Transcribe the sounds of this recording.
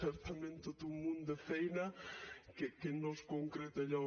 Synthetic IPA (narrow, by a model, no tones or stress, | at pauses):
ɛɾt̪amẽnt̪ot̪umũnd̪efɛjnakekenɔskoŋkɾet̪eʎa